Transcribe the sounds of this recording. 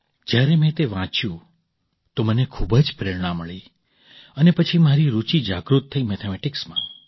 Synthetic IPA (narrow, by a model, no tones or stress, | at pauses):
d͡ʒjaɾemɛ̃t̪eʋãt͡ʃjũ | t̪omənekʰubəd͡ʒpɾɪɽɽãməɭi | ənepət͡ʃʰimaɾiɾut͡ʃid͡ʒaɡɾut̪ʰːəimɛt̪ʰemɛʈɪksmã̰